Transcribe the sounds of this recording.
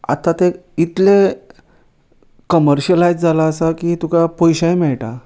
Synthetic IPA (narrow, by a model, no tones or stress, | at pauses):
a̰t̪ãt̪eit̪le | kəməɾɕəlajd͡zd͡zalaəsakit̪ukapɔjɕajmɛɭʈa